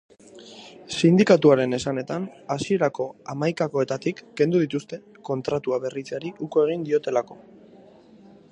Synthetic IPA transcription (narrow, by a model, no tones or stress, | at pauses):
sind̪ikat̪uaɾe̞ne̞sane̞t̪anasie̞ɾako̞amajkako̞e̞t̪at̪ikːe̞nd̪uðit̪ust̪e̞ | ko̞nt̪ɾat̪uaβe̞rit͡seaɾiʔuko̞e̞ɣ̞ind̪io̞t̪e̞lako̞